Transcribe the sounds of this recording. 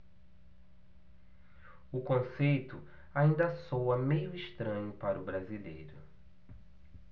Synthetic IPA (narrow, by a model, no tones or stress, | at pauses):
ʊkõsejt̪ʊ | aĩnd̪ɐsowɐmejʊɪʃt̪ɾɐ̃ɲʊpaɾʊbɾazilḛjɾʊ